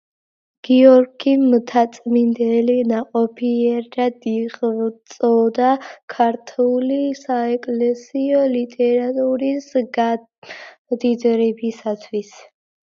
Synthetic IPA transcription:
ɡ̥iɔɾɡimt̪ʰat̪sʼmind̪ɛlinaqʼɔpʰiɛɾdad̪iqʼt̪sʼɔd̪akʰaɾt̪ʰulisaɛkʼlɛsiɔlit̪ʼɛɾat̪ʼuɾisɡ | d̪id̪ɾɛbisat̪ʰwis

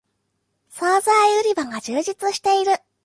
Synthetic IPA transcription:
saːzaiɯ̟ɾʲibaŋɡad͡ʑɨːʑit͡sɨɕi̥t̪e̞iɾɯ̟

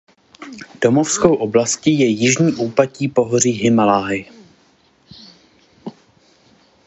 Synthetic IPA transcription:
d̥o̞mofskowʔoblascijɛjɪʒɲiːʔuːpaciːpo̞ɦor̝iːɦɪmalaːɪ

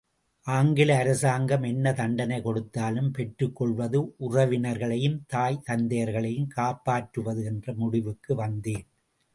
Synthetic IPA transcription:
ʔaːŋɡɪlɐːɾɐsaːŋɡɐmɛnːɐt̪ɐɳɖɐnɐɪkɔɽɯt̪ːaːlɯmpɛʈrɯkːɔɭʋɐðɯʔʊrɐʋɪnɐɾɣɐɭɐjɯmt̪aːjt̪ɐnd̪ɐjɐɾɣɐɭɐjɯmkaːpːaːʈrɯʋɐðɯɛndrɐmʊɽɪʋɯkːɯʋɐnd̪eːn

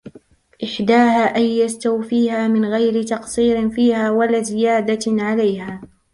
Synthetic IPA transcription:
ʔɪħd̪aːhaːʔajːast̪awfiːhaːmɪnɣajɾɪt̪ɑqsˤiːɾɪfiːhaːwalazɪjaːd̪aʕalajhaː

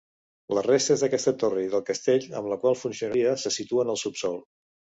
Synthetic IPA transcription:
ləzrest̪əzðəkɛst̪ət̪oriðəlˠkəst̪eʎə̰mləkwalˠfunsiunəɾiəsəsit̪uənəlˠsupsɔlˠ

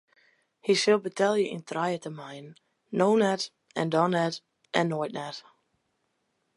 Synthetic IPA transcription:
hisɪlˠbətʰɛlˠjəʔɪ̰̃ntʰrajətəmajnː | oːnɛt | ɛ̃ndɔnɛt | ʔɛ̃nːɔjt̚nɛt

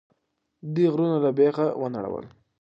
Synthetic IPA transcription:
d̪iɣɾunalabeɣawəna̰ɽa̰wə̰l

